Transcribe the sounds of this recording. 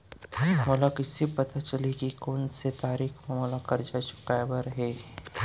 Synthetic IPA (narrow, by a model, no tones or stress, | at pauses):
molakɪsipɐt̪at͡ʃəlikikoːnset̪aːɾiːkʰmɐmolakɐɾd͡ʒat͡ʃʊ̥kaebaɾɐɦeː